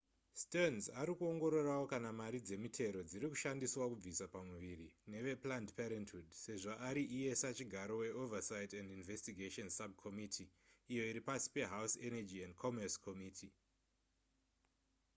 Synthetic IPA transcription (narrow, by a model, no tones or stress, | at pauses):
stonzaɾikuo̞ŋɡo̞ɾo̞rawokanamaɾid͡ze̞mitʰe̞ɾo̞d͡ziɾiku̥ʃandiswakub͡visapamuʋirine̞ʋe̞plandpeɾentudse̞ʐoʔaɾiʔije̞sat͡ʃiɡʱaɾo̞we̞ovasajtendinvestiɡʱeʃonsab̚kʰo̞mitʰiːjo̞iɾipasi̥pe̞ɦawsenad͡ʒiendkʰomerskʰomiːtʰi